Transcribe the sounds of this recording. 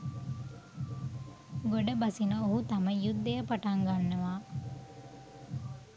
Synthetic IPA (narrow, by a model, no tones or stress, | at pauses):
ɡoɖɐbɐsinəoɦut̪aməjud̪ːejəpaʈaŋɡanːəʋaː